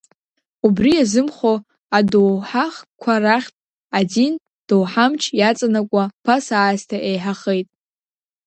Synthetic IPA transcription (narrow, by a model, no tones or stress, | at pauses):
ubrijazɨmχo | adowħaχkʷʰaraχʲtʼ | adin | d̥owħamt͡ʃʰjat͡sʼanakʷʼapʰasaːztʰaʔejħaχejtʼ